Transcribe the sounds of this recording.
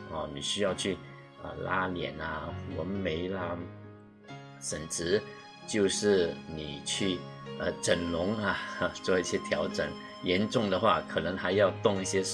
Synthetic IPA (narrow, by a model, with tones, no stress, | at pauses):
ɔ˥˧˩ni˨˩ɕy˥jɑ˥˧ʊt͡ɕʰy˥˩ | ə̰˧la̰˥ljɛ̰˨˩nɐ˧wə˧˥nme˧˥ɪlɐ˧ | ʂə˨˩nt͡sɻ̩˧˥ | t͡ɕjo˥˧ʊʂɻ̩˥˩ni˨˩t͡ɕʰy˥˩ə˧ʈ͡ʂə˨˩nlʊ˧˥ŋɐ˧t͡swɔ˥˧i˥˩ɕjɛ˥t̪ʰjɑ˧˥ʊʈ͡ʂə˨˩˦ŋ | jɛ˧˥nʈ͡ʂʊ˥˩ŋd̪ə˨xwa̰˥˩kʰɤ˨˩nə˧˥ŋxa˧˥ɪjɑ˥˧ʊt̪ʊ˥˧ŋi˥˩ɕjɛ˥ʂ